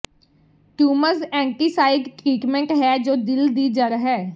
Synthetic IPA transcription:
ʈuːməzɛ̃ːɳʈiːsaːɪɖkiːʈmɛ̃ɳʈɦɛːd͡ʒoːd̪ɪld̪iːd͡ʒəɾɦɛː

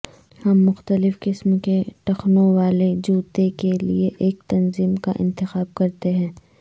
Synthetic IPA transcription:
hɐmːʊxt̪əlɪfkɪsmkeʈɐxnõʋaːled͡ʒuːt̪ekelieʔeːk̚t̪ɐnziːmkaʔɪ̰̃nt̪ɪxaːb̚kɐɾt̪eɦɛ̃ː

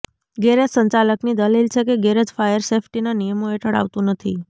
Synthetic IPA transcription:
ɡeɾesəɲt͡ʃaləknid̪əlilt͡ʃʰekeɡeɾəd͡ʒfajəɾsefʈinanijəmoeʈʰəɽa̰ʋt̪ũnət̪ʰi

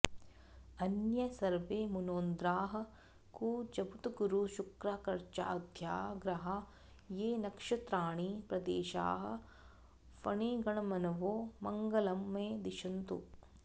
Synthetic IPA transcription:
ɐnjɐsɐɾʋeːmunoːnd̪ɾaːɦɐ̆ | kuːd͡ʒɐbut̪uɡuɾuʃukɾaːkɐɾt͡ʃa̰ːd̪ʱja̰ːɡɾɐɦɐ | jeːnɐkʂɐt̪ɾaːɳiːpɾɐd̪ḛːʃa̰ːɦɐ̰ | pɐɳeːɡɐɳɐmɐnɐʋoːmɐŋɡɐlɐmːeːd̪iʃɐnt̪ṵ

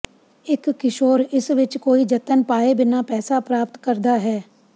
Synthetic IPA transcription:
ɪkːɪʃoːɾɪsʋɪt͡ʃkoːid͡ʒət̪ənpaːebɪnapɛːsapɾaːpt̪kəɾd̪aːɦɛː

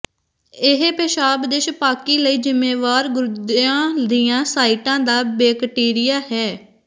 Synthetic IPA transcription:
ɪɦepeːʃaːbd̪eːʃpaːkiːləiːd͡ʒɪmeːʋaːɾɡʊɾd̪ãːd̪ijãːsaːiːʈãːd̪aːbeːkʈiːɾɪjaːhɛː

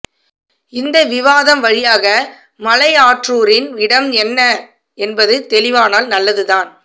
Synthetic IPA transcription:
ɪnd̪ɐʋɪʋaːðɐmʋɐɻɪjaːɣɐ | mɐlɐɪaːʈruːɾɪnɪɽɐmɛnːɐ | ɛnbɐðɯt̪ɛlɪʋaːnaːlnɐlːɐðɯðaːn

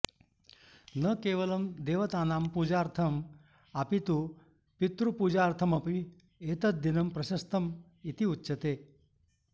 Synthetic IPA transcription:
nəkeːʋəlɐmd̪eːʋɐt̪aːnaːmpuːd͡ʑaːɾt̪ʰɐm | apit̪u | pit̪ɾupuːd͡ʒaːɾt̪ʰɐmɐpi | et̪ɐt̪̚d̪inɐmpɾɐɕɐst̪ɐm | it̪iutːɕʰɐt̪eː

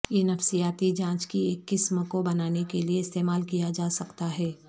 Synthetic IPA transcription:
jenɐfsijaːt̪id͡ʒãːt͡ʃkieːkːɪsmkobɐnaːnekelieɪst̪eːmaːlkijad͡ʒaːsɐkt̪aɦɛː

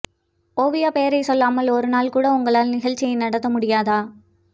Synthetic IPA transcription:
oːʋɪjaːpeːɐɾɐɪsɔlːaːmɐlɔɾɯnaːlkuːɽɐʊŋɡɐɭaːlnɪɣɐɭt͡ʃːɪjɐɪnɐɽɐt̪ːɐmʊɽɪjaːðaː

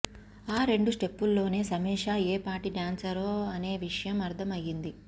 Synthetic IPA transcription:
aːɾe̞ɳɖusʈe̞pːulːo̞ːne̞ːsɐmɛːʂaːeːpaːʈiɖjaːnsɐɾoːɐne̞ːʋiʂɐjɐmɐɾd̪ʰʱɐmɐjːind̪i

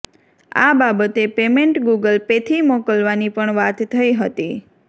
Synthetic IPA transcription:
a̰babət̪epemeɳʈɡuɡəlpet̪ʰimokəlʋanipəɳʋat̪ːʰəiɦət̪i

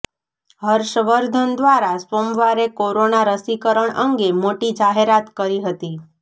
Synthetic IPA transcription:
ɦəɾʃəʋəɾd̪ʱənd̪ʋaɾaspomʋaɾekoɾonaɾəsikəɾəɳəŋɡemoʈid͡ʒaɦeɾat̪kəɾiɦət̪i

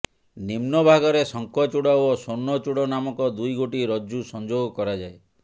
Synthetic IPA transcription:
nimnɔbʱaɡɔɾesɔŋkɔt͡ʃuɽaɔsonːɔt͡ʃuɽɔnamɔkɔd̪ujɡoʈiɾɔd͡ʒusɔnd͡ʒoɡɔkɔɾad͡ʒae

